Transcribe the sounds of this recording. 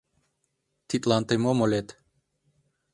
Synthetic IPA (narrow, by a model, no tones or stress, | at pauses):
t̪ʰit̪ʼlant̪ʼɛmɔmɔlɛt̪ʰ